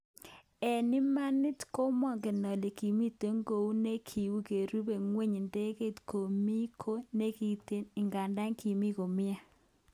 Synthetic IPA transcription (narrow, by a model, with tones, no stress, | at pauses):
ɛ˨nɪ˦ma˦nɪ˦tko˦mɔ˦˨ŋɡe˨nɔ˨le˨ki˨mi˦te˦ŋɡo˨u˦ne˦kʰi˨wu˦ke˨ɾu˦be˨ŋwe˦ɲ˨nde˦ke˦˨tko˨mi˦kʰo˦ne˦ki˦te˦nɪ˨ŋɡa˨nda˦ŋki˨mi˦ko˨mɪ˦a˨